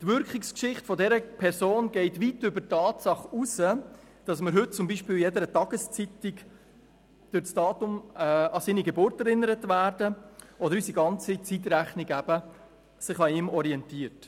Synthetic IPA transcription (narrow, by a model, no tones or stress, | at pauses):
tvʏɾkɪkskʃɪχtfɔdɛɾəpʰɛɾsoːnɡɛɪtvitʏbətɑːtsɑχusə | d̥ɑsməɾɦɵt̚t͡sʊmbiːʃpiːljɛdəɾətɑɡ̥əst͡sitik | d̥øɾt͡sd̥ɑːtʊmɛɑsiːniɡebʊɾtɛɾɪnəɾətvæːɾdəʔɔdəɾysiɡɑnt͡sit͡sit̬ɾæχniɡæb̥ə | sɪχɑiːmɔɾiɛntiːəɾt